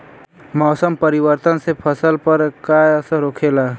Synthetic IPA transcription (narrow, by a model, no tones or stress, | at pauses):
mɔːsəmpəɾɪwəɾt̪ənsepʰəsəlpəɾkaəsəɾoːkʰeːlaː